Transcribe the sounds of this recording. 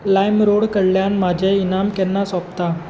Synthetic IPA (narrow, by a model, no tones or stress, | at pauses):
lajmɾoɽkəɽljanmad͡ʑʱeinamkɛnːasɔpt̪a